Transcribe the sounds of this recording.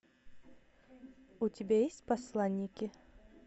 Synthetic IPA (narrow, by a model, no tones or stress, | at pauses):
ʊtʲɪbʲajesʲtʲpɐslˠanʲːɪkʲɪ